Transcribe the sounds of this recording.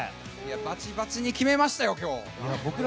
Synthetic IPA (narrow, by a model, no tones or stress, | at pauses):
jabat͡ɕibat͡sɨɲ̟ikʲime̞maɕi̥t̪ajo̞kʲo̞ː | jabokɯ̟ɾ